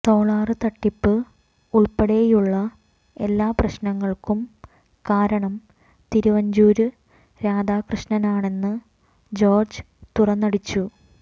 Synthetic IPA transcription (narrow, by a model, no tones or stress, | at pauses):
t̪o̞ːɭaːrɨt̪ɐʈːipːɨ | uɭpɐɽejuɭːɐ | e̞lːaːprɐɕnɐŋːɐɭkum | kaːɾɐɳɐm | t̪iɾuʋɐɲd͡ʑuːɾu | ɾaːd̪aːkrɨɕnɐnaːɳe̞nːɨ | d͡ʑo̞ːrd͡ʑɨ | t̪urɐnːɐɽit͡ɕːu